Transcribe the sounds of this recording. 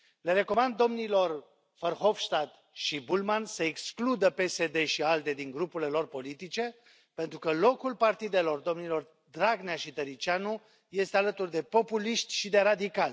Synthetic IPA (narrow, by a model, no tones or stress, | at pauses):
le̞ɾe̞ko̞mand̪ːo̞mnilo̞r | fərxo̞fʃt̪ad̪ | ʃibulmansəeksklud̪əpe̞se̞d̪e̞ʃiald̪e̞d̪iŋɡɾupule̞lo̞rpo̞lit̪it͡ʃe̞ | pe̞nt̪ɾukəlo̞kulpart̪id̪e̞lo̞rd̪o̞mnilo̞r | d̪ɾaɡneaʃit̪əɾit͡ʃianu | je̞st̪e̞alət̪urd̪e̞po̞puliʃt̪ʲʃid̪e̞ɾad̪ikalʲ